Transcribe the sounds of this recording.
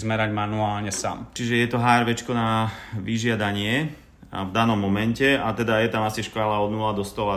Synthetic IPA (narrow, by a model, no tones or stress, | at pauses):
zmɛɾaɟmanuaːlɲɛsa̰ːmt͡ʃiʒɛjɛt̪ɔɦaːɾʋɛt͡ʃkɔnaʋiʒɪad̪aɲɪɛ̰ | vd̪anɔmːɔmɛncɛat̪ɛd̪ajɛt̪amasiʃkalaɔd̪nulad̪ɔst̪ɔla